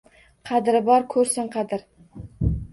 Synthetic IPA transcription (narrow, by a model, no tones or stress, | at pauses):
qʰɑd̪ɪɾɪbɒɾkʲʰɵɾsɪŋqʰɑd̪ɪɾ